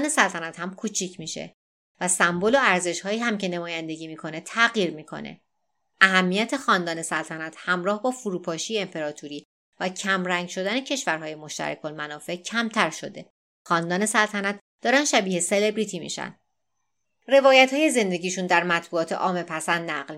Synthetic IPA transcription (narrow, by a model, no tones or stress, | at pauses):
ne̞sælt̪ʰænæt̪hæmkʰut͡ʃʰicʰmiːʃḛ | væsæmboloæɾze̞ʃhɒːiːhæmcʰe̞nemɒːjænd̪e̞ɟiːmiːkʰo̞ne̞t̪ʰæɣiːɾmiːkʰo̞̰nḛ | ʔæɦæmːijæt̪ʰe̞xɒːnd̪ɒːne̞sælt̪ʰænæt̪ʰhæmɾɒːhbɒːfuɾuːpʰɒːʃijeempʰe̞ɾɒːt̪ʰuɾiː | væcʰæmɾæŋɡʃo̞d̪æne̞cʰe̞ʃvæɾɦɒːje̞mo̞ʃt̪æ̰ɾæ̰kʰolmænɒːfe̞ʔcʰæmt̪ʰæɾʃo̞d̪e̞̰ | xɒːnd̪ɒːne̞sælt̪ʰænæt̪ | d̪̥ɒːɾænd̥̪ʃæbiːhese̞le̞bɾiːt̪ʰiːmḭːʃæ̰nd̪ | re̞vɒːjæt̪hːje̞ze̞nd̪e̞ɟʲiːʃund̪æɾmæt̪ʰbuɒːt̪ʰe̞̰ʔɒːme̞pʰæsænd̪næɢl